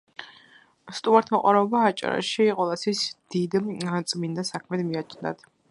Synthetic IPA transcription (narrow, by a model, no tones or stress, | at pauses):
st̪ʼumaɾt̪ʰmɔqʼwaɾɛɔbaːt͡ʃʼa̰ɾa̰ʃiqʼɛlˠasisd̪̥id̪t̪sʼmind̪asakʰmɛd̪miat͡ʃʰnd̪a̰t̪ʰ